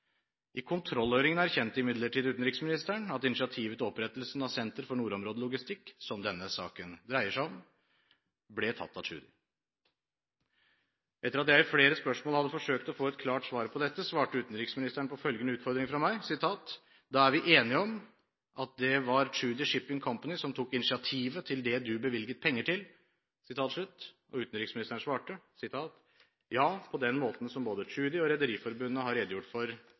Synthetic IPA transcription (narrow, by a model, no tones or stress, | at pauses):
ʔɪkʰʊnt̪ʰɾɔlːøːɾɪŋənæɾçɛnt̪ːəɪmɪd̪ləʈʰid̪ʉːt̪n̩ɾɪksmɪnɪst̪əɳɑt̪ɪnɪt͡ʃɪɑt̪ʰiːʋət̪ɔpɾɛt̪ːəlsnɑʋsɛnt̪əɾfɔɳuːɾɔmɾoːd̪əlʊɡɪst̪ɪkːsɔmd̪ɛnːəsɑ̰ːkənd̪ɾæɪəʂæɪɔm | blɛt̪ʰɑ̰t̪ːɑtʰʉ̰ːd̪ɪ | ʔɛt̪ːəɾɑt̪jæɪfleːɾəspœʂmoːlhɑd̪ːəfɔʂøːkt̪ɔfoːɛt̪̚kʰlɑːʈsʋɑːɾpʰɔd̪ɛt̪ːəsʋɑːʈəʉːt̪n̩ɾɪksmɪnɪst̪əɳpɔfœlɡənəʉːt̪fɔɾd̪ɾɪŋfɾɑmæɪsɪt̪ʰɑːt̪ | d̪ɑːæɾʋɪʔeːnɪɔm | ʔɑt̪̚d̪ɛʋɑɾt͡ʃʉːd̪ɪʂɪpːɪŋkʰɔmpɑnɪsɔmt̪ʰukːɪnɪsɪɑt̪ʰiːʋət̪ʰɪld̪ɛd̪ʉbəʋɪlɡət̪̚pʰɛŋːəʈʰɪl | sɪt̪ʰɑːt̪ʂɭʉt̪ː | ʔɔ̰ʉːt̪n̩ɾɪksmɪnɪst̪əɳ̩sʋɑːʈəsɪt̪ʰɑːt̪ | jɑːpʰɔd̪ɛnmoːt̪n̩sɔmboːd̪ət͡ʃʉːd̪ɪɔɾɛd̪əɾiːfɔɾbʉnːəhɑɾeːd̪əjʊʈːfɔɾ